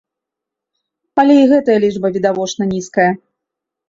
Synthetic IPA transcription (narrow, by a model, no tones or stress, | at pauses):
ɐlʲeiɣɛt̪ɐjɐlʲiʐbɐvʲid̪avɔt͡ʂnɐnʲiskɐjɐ